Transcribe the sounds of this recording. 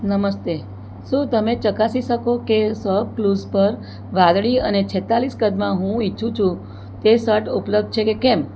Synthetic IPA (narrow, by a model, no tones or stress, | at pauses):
nəməst̪e | ʃũt̪əmet͡ʃəkasiʃəkokesəb̚kluzpəɾ | ʋãd̪ɭiənet͡ʃʰɛt̪aliskəd̪mãɦũiːũt͡ʃʰũ | t̪esəʈupləb̚d̪̚t͡ʃʰekekem